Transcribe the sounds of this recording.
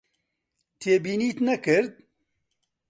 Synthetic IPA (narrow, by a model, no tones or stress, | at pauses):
t̪ʰeːbiːniːt̪nɛkɨɾd̪̚